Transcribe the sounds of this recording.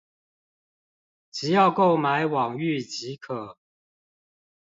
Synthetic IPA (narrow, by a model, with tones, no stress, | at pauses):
t͡ɕ̩˨˦jɑ˥˧ʊko˥˨ʊma˨˦ɪwɑ˨˩ŋy˥˨t͡ɕi˨˦kʰɤ˨˩˦